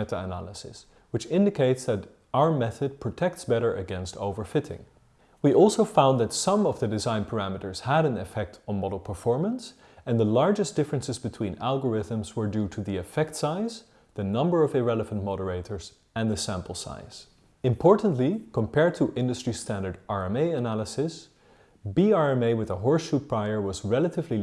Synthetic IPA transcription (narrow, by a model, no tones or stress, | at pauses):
ɛɾəənæ̰lˠəsɪ̰s | wɨt͡ʃɪ̃ndɨkʰeɪtsðɨɾ | aʊə˞mɛθɨd̚pʰɹ̥ɨtʰɛk̚tsb̥ɛɾə˞ʔɨɡɛ̃nsto̰ʊvə˞fɪɾɪ̰̃ŋ | wiʔɔlˠsoʊfãʊ̃nðɨtsʌ̃mʌvðɨdɨzãɪ̃npʰə˞æmɨɾə˞z̥həɾɨ̃nɨfɛk̚tʰn̩mɔɾl̩ˠpʰə˞fɔɹmə̃ns | ɨ̃nðəlɑɹd͡ʒɨsd̥ɪfɹɨ̃nsɨzbɨtʰw̥ĩnælˠɡə˞ɪðə̃mzwə˞dʉɾɨðiɨfɛk̚tsaɪz | ðɨnʌ̃mbə˞ʌvɪɹɛlˠəvə̃nmɑɾə˞eɪɾə˞z̥ | ɨ̃nðɨsæ̃mpl̩ˠsa̰ɪz̥ | ɨ̃mpʰɔɹʔn̩ʔlikʰə̃mpʰɛɹd̚tʰəʔɪ̃ndɨstɹ̥istæ̃ndə˞dɑɹɛ̃meɪɨnælˠəsɪs | biɑɹɛ̃meɪwɨðəɦɔɹsʃut̚pʰɹ̥aɪə˞wʌzɹɛlˠəɾɨvli